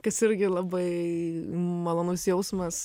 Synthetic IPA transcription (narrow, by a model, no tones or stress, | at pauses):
kɐsɪɾʲɡʲɪlˠɑːbɐɪ | mɐlˠoːnʊsjɛʊsmɐs